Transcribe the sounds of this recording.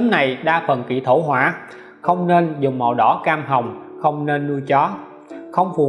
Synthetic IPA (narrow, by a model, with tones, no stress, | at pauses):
ə˨˦nna˨˩jɗaː˧fə˨˩nkḭ˧˨t̪ʰo˧˩ɦwaː˧˩ | xə˧wŋ͡mne˧nzʊ˨˩ŋ͡mmɔ̰˨˩wɗɔ˧˦kaː˧mɦə˨˩wŋ͡m | xə˧wŋ͡mne˧nːu˧jt͡ɕɔ˨˦ | xə˧wŋ͡mfu˨˩